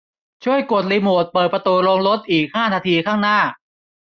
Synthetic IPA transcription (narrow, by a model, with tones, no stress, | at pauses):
t͡ɕʰu˥˩əjko˨˩t̪̚liː˧moː˨˩t̪̚pɤː˨˩t̪̚pɾa˧t̪uː˧loː˧ŋlo˦˥t̪̚ʔiː˨˩k̚haː˥˩naː˧t̪ʰiː˧kʰaː˥˩ŋnaː˥˩